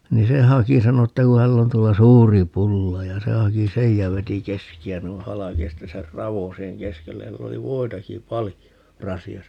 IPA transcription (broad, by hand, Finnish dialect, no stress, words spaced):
ni se hɑki sɑno etːæ ku hælː on tuolːɑ suːri pulːɑ jɑ se hɑki sej jɑ ʋeti keskiæ nui hɑlɑki jɑ sitːe ser rɑʋo siːheŋ keskelːej jɑ silː oli ʋoitɑki pɑlijo rɑsiɑsɑ